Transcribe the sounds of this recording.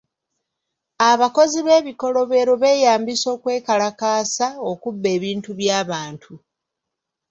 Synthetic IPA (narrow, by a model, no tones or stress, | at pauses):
aβako̞ziβe̞ːβiko̞lo̞βe̞ːɾoβe̞ːjaːmbiso̞ːkwe̞ːkalakaːsao̞kubːe̞ːβiːntuβjaːβaːntʰu